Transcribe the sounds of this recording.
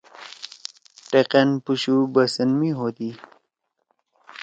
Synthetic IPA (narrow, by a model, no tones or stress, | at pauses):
ʈeqenpuɕubəsənmiɦod̪i